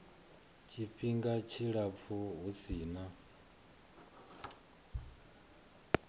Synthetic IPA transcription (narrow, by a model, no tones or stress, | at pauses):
t͡ʃʰʼiɸiŋɡat͡ʃʰiɺap̪fʰuɦusiːna